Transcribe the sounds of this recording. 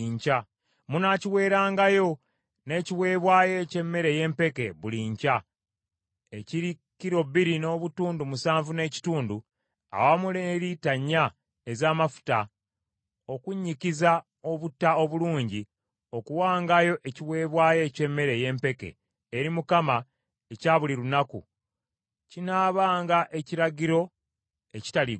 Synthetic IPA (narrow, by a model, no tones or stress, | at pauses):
iɲca | munaciwe̞ːɾaːŋɡajo̞ | ne̞ːciwe̞ːβwaːje̞ce̞mːe̞ɾe̞je̞ːmpe̞ke̞βuliɲca | eciɾi | kiɾo̞βiɾino̞ːβutuːndumusaːɱvune̞ːci̥tuːndu | a̰wamuleːɾitaɲːa | ezaːmafu̥ta | o̞kuɲːikiza | o̞βutːao̞βuluːɲɟi | o̞kuwaːŋɡajo̞ʔe̞ciwe̞ːβwaːje̞ːce̞mːe̞ɾe̞je̞ːmpe̞kḛː | ɾimukama | e̞caːβuliɾunakṵ | cinaːβaːŋɡaʔe̞ciɾaɡiɾo̞ | e̞ci̥tali